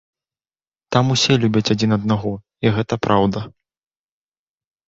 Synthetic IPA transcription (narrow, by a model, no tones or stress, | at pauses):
t̪amusʲɛlʲubʲɐt͡sʲad͡zʲinɐd̪naɣɔ | iɣɛt̪ɐpɾʔawd̪ɐ